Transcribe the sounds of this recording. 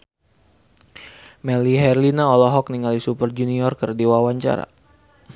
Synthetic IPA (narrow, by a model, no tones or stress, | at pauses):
mɛliɦɛrlinaɔlɔɦɔk̚niŋalisupərd͡ʒuniɔrkərdiwawaɲt͡ʃa̰ɾa̰